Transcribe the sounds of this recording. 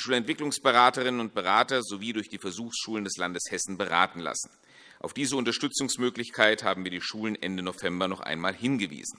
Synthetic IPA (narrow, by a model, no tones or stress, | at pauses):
dʃuːlɛntv̥ɪklʊŋsb̥əʁaːtəʁ̞ɪnənʊnt̚b̥əʁaːtɐzoviːdʊɐçd̥iːfɛɐzuːxsʃuːləndɛslandəshɛsn̩bəʁa̰ːtn̩la̰sn̩ | ʔaʊfd̥iːzəʊntɐʃtʏt͡sʊŋsmøːklɪçkʰaɪthaːbm̩viːɐdiːʃuːlənʔɛndənofɛmbɐnɔχʔa̰ɪnmaːlhɪnɡəvḭːzn̩